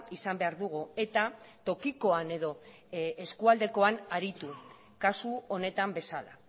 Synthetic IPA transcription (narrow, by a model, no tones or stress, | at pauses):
isambe̞aɾðuɣ̞ue̞t̪at̪o̞kiko̞ane̞ðo̞ | eskuald̪e̞ko̞anaɾit̪u | kasuo̞ne̞t̪ambe̞sala̰